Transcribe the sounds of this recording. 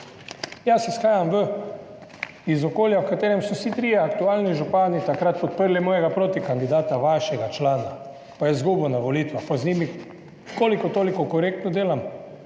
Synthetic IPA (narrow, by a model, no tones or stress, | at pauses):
jasːɛsxaːjamʋə | izɔkoːljawkat̪eːɾɛmsɔsit̪ɾijɛakt̪uaːlniʒupaːnit̪akɾat̪̚pɔt̪̚pəɾlimɔːjɛɡapɾoːt̪ikand̪id̪aːt̪aʋaʃɛɡat͡ʃlaːna | pajɛzɡuːbunaʋoliːt̪ʋapɔzniːmi | koːlikɔt̪oːlikɔkɔɾeːk̚t̪nɔd̪eːlam